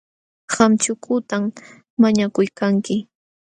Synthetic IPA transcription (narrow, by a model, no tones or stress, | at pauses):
hamt͡ʃʊkʰʊt̪amː | aɲakʊjkaŋkɪ